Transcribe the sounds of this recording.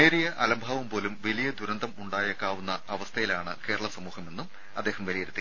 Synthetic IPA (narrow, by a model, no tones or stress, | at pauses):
eːɾijɐʔɐlɐmbʱaːʋɐmpo̞ːlumʋelijɐd̪uɾɐnd̪ʱɐmuɳɖaːjɐkːaːʋunːɐɐʋɐst̪ʰɐjilaːɳɨke̞ːɾɐɭɐsɐmuːhɐme̞nːum | ɐd̪ːe̞ːhɐmʋɐlijɐɾut̪ːi